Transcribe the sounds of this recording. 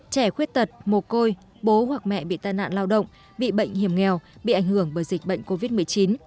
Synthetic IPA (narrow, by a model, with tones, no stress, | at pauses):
t͡ɕɛ˧˩xwi˦˥ət̚t̪ə˨˩t̚mo˨˩ko˧j | ɓo˨˦hwa˨˩k̚mɛ̰˧˨ɓḭ˧˨t̪aː˧˨jna̰ː˧˨nlaː˧wɗə̰˧˨wŋ͡m | ɓḭ˧˨ɓə̰˧˨jŋ̟hi˧˩əmŋɛ˨˩wɓḭ˧˨ʔa˧˩jŋ̟hɨ˧˩əŋɓəː˧˩jzi˨˩k̟̚ɓə̰˧˨jŋ̟ko˧vi˦˥t̚mɨ˨˩əjt͡ɕi˨˦n